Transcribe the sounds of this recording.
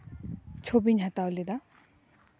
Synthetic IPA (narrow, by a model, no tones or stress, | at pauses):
t͡ʃʰobiɲɦat̪awlid̪a